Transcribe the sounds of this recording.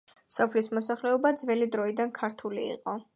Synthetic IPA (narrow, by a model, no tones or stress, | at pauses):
sɔpʰlismɔsaχlɛɔbad̪zvɛlid̪ɾɔid̪ankʰaɾt̪ʰulḭːqʼɔ